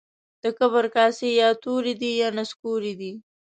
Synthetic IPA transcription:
d̪̥əkəβəɾkɑːsejɑt̪oɾid̪ijɑnaskuɾid̪i

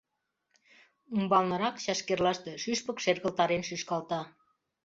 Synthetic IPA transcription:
umbɑlnɤ̆ɾɑkɕɑʃkerlɑʃt̪eʃyʃpə̆kʃerɣə̆lt̪ɑɾenʃyʃkɑlˠt̪ɑ

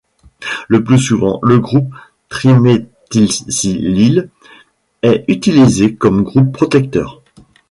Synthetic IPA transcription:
ləplysuvɑ̰̃ləɡʁup̚ | t̪χimet̪ilsilil | ɛyt̪ilizekɔmɡʁupːχɔt̪ɛk̚t̪œ̰ːʁ

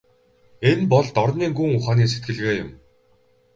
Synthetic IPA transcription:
enpɔɮt̪ɔrniːŋɡuŋʊχaːniːs̬et̪̚ɡɘ̆ɮɣeːjʊm

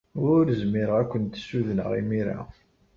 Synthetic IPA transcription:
ʊɾzmɪɾəʁækʷːənt̪suðnə̰ʁḭmiɾa̰

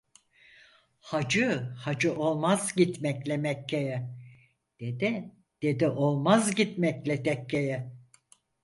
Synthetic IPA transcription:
had͡ʒɯhad͡ʒɯʔo̞lˠmazɟit̪mɛclʲɛmɛcʰːejɛ | d̪̥e̞d̪ɪ | d̪̥e̞d̪iʔo̞lˠmazɟit̪mɛclʲɛt̪ʰɛcʰːejɛ

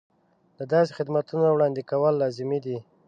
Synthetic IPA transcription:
d̪əd̪ɑsexɪd̪mat̪unawɽɑnd̪ikawəlːɑzɪmid̪i

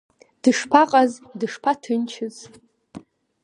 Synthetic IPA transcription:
d̥ɨʂpʰaqʼazdɨʂpʰatʰɨnt͡ʃʰɨz

